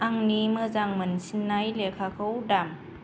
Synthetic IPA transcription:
aŋnimɯzaŋmɯnsinːajlekʰakʰɯwdam

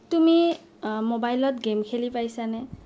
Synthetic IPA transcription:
tumi | mobajlɔtɡemkʰelipajsanɛ

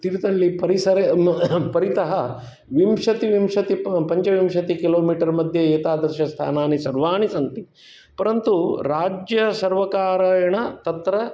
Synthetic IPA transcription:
t̪iɾit̪ɐɭːipɐɾisɐɾepɐɾit̪ɐɦɐ | ʋimʂɐt̪iʋimʂɐt̪ipɐɲt͡ʃɐʋimʃɐt̪ikiloːmiːʈɐɾmɐd̪ʱjɐeːt̪aːd̪ɐɾʃɐst̪ʰa̰ːnaːnisɐɾʋaːɳisɐnt̪i | pɐɾɐnt̪uɾaːd͡ʒjɐsɐɾʋɐkaːɾɐjɐɳɐt̪ɐt̪ɾɐ

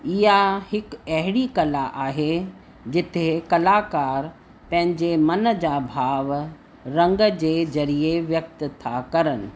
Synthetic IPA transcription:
ɪɦahɪkɐɦɪɽikɐlaʔaːɦe | d͡ʑɪt̪ʰekɐlakaːɾ | pɐ̃ɦɪ̃ɲd͡ʑemɐnəd͡ʑaːbʱaːʋ | ɾɐ̃ŋɡəd͡ʑeːzɐɾieʋjɐk̚t̪t̪ʰakɐɾənɪ̆

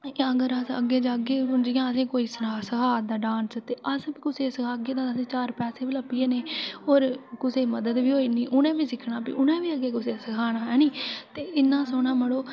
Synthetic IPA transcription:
əɡəɾəsə̰ɡːeːd͡ʒaːɡeːʊnd͡ʒiːjãːəsẽːkoːiːsənaːsəkʰaːd̪aːɖãːnsət̪eːʔəsbiːkʊseːsəkʰaːɡeːd̪ãəsẽːt͡ʃaːɾpɛːseːbiləpːɪeːneːoːɾkʊseːməd̪əd̪ʋiːɦoːiːnĩːʔʊnẽːbiːsɪkʰɳaːpḭʊnẽːʋiːəɡeːkʊseːsəkʰaːɽaːɛːniːt̪eːʔɪnːãːsoːɳãːməɽoː

